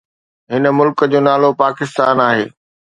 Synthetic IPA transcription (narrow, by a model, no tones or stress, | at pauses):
ɦɪnəmʊlkəd͡ʑoːnaːlopaːkɪst̪aːnaːɦeː